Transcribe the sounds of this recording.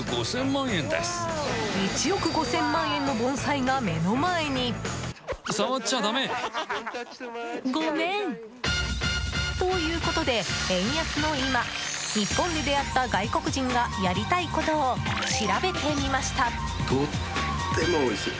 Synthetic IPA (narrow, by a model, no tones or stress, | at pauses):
ɡo̞̰sẽ̞mːãɰ̃ẽ̞nd̪ḛsɨ̥ɲit͡ɕijo̞kɯ̟ɡo̞sẽ̞mːãɰ̃ẽ̞nːo̞bõ̞ɰ̃saiɡame̞no̞mae̞ɲ̟i | saβat͡ɕːad̪ame | ɡo̞nẽ̞ŋ | t̪o̞jɯ̟ːko̞t̪o̞d̪e̞ẽ̞ɰ̃jakɨno̞imaɲ̟ipːõ̞nd̪e̞d̪e̞jat̪ːaɡaiko̞kɯ̟ʑĩŋɡajaɾʲit̪aiko̞t̪o̞ːɕiɾabe̞t̪e̞mʲimaɕi̥t̪a | t̪o | t̪emooisɨ